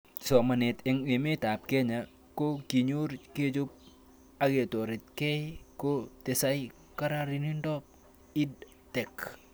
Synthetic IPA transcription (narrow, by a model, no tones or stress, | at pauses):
sɔmanet̪ɛŋemet̪ap̚keɲa | kokiɲurked͡ʒup̚ | aɡet̪oɾit̪̚kɛjkot̪esaj | kaɾaɾinindop̚ | id | t̪ɛk